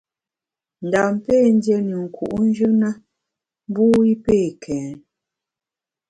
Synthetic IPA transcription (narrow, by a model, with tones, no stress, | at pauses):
n̩˨da˨m˦pe˦˨n̩˦djɛ˦ni˨ŋ̩˨kʰṵ˨ʔn˦d͡ʒʉ˦na˦ | m˦bu˦i˦peː˦˨kʰɛ˨˦n